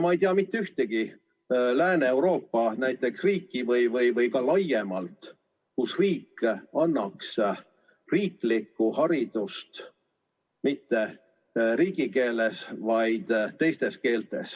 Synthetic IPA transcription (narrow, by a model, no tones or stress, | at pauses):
mɑejt̪iɑmit̪ːeyht̪e̞ɡ̥i | læːneewɾo̞ːpːɑnæjt̪ːˑe̞ksriːkːivɤjvɤjvɤjkɑlɑjːe̞mɑlt̪ | kusriːkːɑnːɑks | riːklikːuhɑɾid̪̥ust̪ | mit̪ːe̞ | ɾiːɡ̥ike̞ːle̞svɑjd̪̥t̪e̞jst̪eske̞ːlt̪e̞̰s